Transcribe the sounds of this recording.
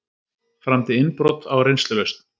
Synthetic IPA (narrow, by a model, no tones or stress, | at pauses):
fɾamt̪ɪɪnpɾɔt̪awɾejnst̪lʏvest̪